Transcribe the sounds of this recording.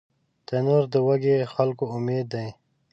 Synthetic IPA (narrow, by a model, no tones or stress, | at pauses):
t̪enoɾd̪əwɐɡexalkoʊmeːd̪ːaj̃